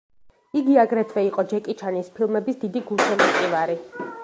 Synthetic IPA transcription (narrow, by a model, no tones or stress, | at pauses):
iɡiaɡɾɛt̪ʰvɛiqʼɔd͡ʒɛkʼit͡ʃʰanispʰilˠmɛbisd̪id̪iɡulˠsɛmat̪ʼivaɾi